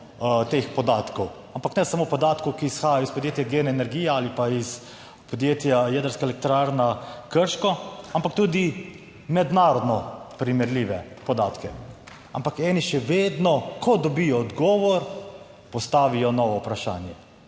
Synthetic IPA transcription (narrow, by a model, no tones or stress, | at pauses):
t̪expɔd̪aːt̪kɔw | ampaknɛsamoːpɔd̪aːt̪kɔwkiːsxaːjaɔispɔd̪jeːt̪jaɡenɛːnɛɾɡiːjɛaːlipais | pɔd̪jet̪jajɛːd̪əɾskaɛlɛk̚t̪ɾaɾnakəɾʃkɔampak̚t̪uːd̪i | mɛd̪naːɾɔd̪nɔpɾimɛɾliʋɛ | pɔd̪aːt̪kɛ | a̰mpakɛːniʃɛʋeːd̪nɔkʰɔd̪ɔbijɔːd̪ɡɔːʋɔɾ | pɔst̪aːʋijɔnɔʋɔupɾaʃa̰ːnjɛ